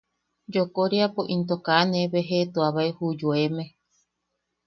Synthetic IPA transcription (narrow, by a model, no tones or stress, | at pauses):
d͡ʒokoɾiapoʔint̪̬okanẽβeɦet̪uaβaehud͡ʒoemẽ